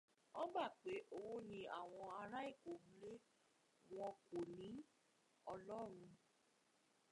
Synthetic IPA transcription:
ɔ̃˦ba˦˨k͡pe˨˦ʔo˧wo˦nĩ˧˦a˦˨w̃ɔ̃˧a˧ɾa˦i˦˨ko˨mu˦le˦ | w̃ɔ̃˧ko˨nĩ˨˦ | ɔ˧lɔ˦ɾ̃ũ˧

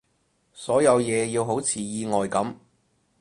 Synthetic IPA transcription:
sɔː˨˥jɐ˨˧wjɛː˨˧jiː˧wɦo˨˥wt͡sʰiː˨˧jiː˧ŋɔː˨jkɐ˨˥m

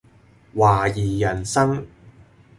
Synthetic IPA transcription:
waː˨˩jiː˨˩jɐ˨˩nsɐ˥ŋ

